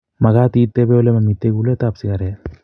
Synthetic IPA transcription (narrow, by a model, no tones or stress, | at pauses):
mɐɡaːt̪iːt̪ːebeolemɐmit̪ːeɡulet̪apsikaɾe